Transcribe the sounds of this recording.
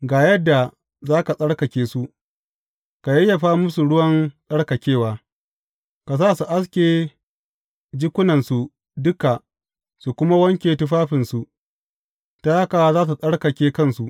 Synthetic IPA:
ɡaː˨jɐ˦dːa˨ | zaː˦ka˨sʼɐ˦ɽkɐ˨kʲeː˦su˦ | ka˨jɐ˦jːɐ˨ɸaː˦mʊ˦su˨ɽʊ˦wɐ˦nsʼɐ˦ɽkɐ˨kʲeː˦˨waː˨ | ka˨saː˦˨su˨ʔa˦skʲeː˨ | d͡ʒɪ˦kʷʊ˦nɐ˨nsu˨ | dʊ˦ka˨ | su˨kʷʊ˦ma˦wɐ˦ŋkʲeː˨tʊ˦ɸaː˦ɸɪ˨nsu˨ | ta˦ja˦kaː˨a˦zaː˦s̬u˨sʼɐ˦ɽkɐ˨kʲeː˦kɐ˦nsu˨ʔ

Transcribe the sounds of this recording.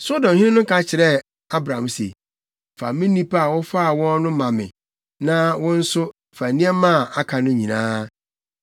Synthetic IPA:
so˦dɔ̃˨mhɪ̃˦ɪ˦nʊ̃˦kʰa˦t͡ɕʰɪ˨ɾɛ˦ | a˦bɾã˨msḛ˨ | fa̰˨mɪ̃˦nĩ˦pʰa˨wɔ˦fa˦a˨wɔ̃˦n˦nʊ̃˦mã˨mɪ̰̃˨ | nã˦wɔ̃˦n̩˦sʊ˦ | fa˨nĩ˦ɛ˦mã˦˨a˨kʰa˨nʊ̃˦ɲĩ˨nãː˦

